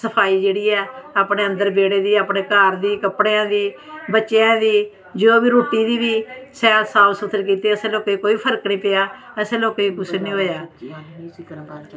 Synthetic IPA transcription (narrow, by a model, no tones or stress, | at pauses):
səpʰaːiːd͡ʒeːɽiːɛːaːpɳeːə̃nd̪əɾbeːɽeːd̪iːaːpneːkaːɾd̪iːkəpɽeːãːd̪iːbətːʃejãːd̪iː | d͡ʒoːbiːɾoːʈiːd̪iːʋiːsɛːlsaːʋsʊt̪ʰəɾk̬iːt̪eːəsẽːloːkekoːiːpʰəɾəknĩːpeːjaːɛsẽːloːkeːikʊsnĩːɦoːjaː